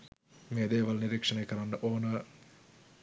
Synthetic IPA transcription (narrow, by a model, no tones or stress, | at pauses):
meːd̪eːʋalniɾekʂɐnekəɾanːəʔoːnə